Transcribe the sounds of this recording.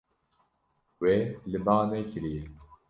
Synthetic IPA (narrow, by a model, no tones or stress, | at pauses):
welɨbaːnɛkɨɾije